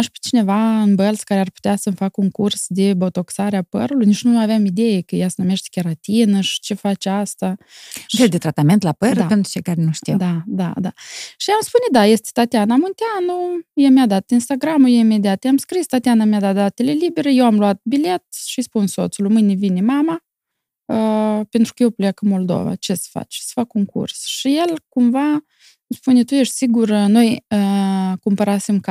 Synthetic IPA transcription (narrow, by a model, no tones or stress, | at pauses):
aʃpi̥t͡ʃine̞vaɨnbəlskaɾearpu̥t̪easəmfakəuŋkursd̪e̞bot̪o̞ksaɾeapə̰ɾulujnit͡ʃnunaveamid̪e̞jekəjasənume̞ʃt̪e̥kʲeɾat̪inəʃi̥t͡ʃe̞fat͡ʃeast̪afeld̪et̪ɾat̪ame̞nt̪lapədɾəape̞nt̪ɾut͡ʃe̞jkaɾenuʃt̪id̪ad̪ad̪aʃiamspuned̪aje̞st̪ʲe̥t̪at̪eanamunt̪eanujemjad̪at̪inst̪aɡɾamujeime̞d̪iat̪jeamskɾist̪at̪eanamead̪at̪̚d̪at̪e̞le̞libe̞ɾejewamluat̪̚bile̞t̪̚ʃispunso̞t̪sulmɨnʲevinemama | əpe̞nt̪ɾu̥kəjewplejakɨnmo̞ld̪o̰va̰t͡ʃe̞sə̥fa̰t͡ʃsə̥fakuŋkṵrsʃije̞lkumva | mspunet̪ujeʃt̪ʲsiɡurno̞jəkumpəɾasemk